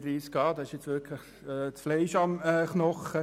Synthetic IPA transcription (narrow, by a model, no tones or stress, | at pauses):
ʋiːskɑːd̥̪ɑɪʃjɛt͡sʋɪkʰlɪχ | ɛːt͡sflɛɪʃɑmɛχnɔχə